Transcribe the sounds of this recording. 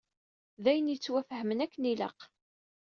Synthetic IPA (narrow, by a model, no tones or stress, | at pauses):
ðæjənjət͡sːwæfhəmənækːənilə̰q